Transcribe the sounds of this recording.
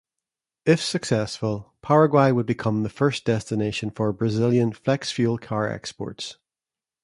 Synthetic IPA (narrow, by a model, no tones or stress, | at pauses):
ɪfsəksɛsfəlˠpʰaɹəɡwaɪwəd̚bɪkʰʌ̃mðəfɜ˞sd̥ɛstɪneʃə̃nfə˞bɹəzɪlˠjə̃nflɛksfjʉlˠkʰaɹɛ̰kspɔ̰ɹts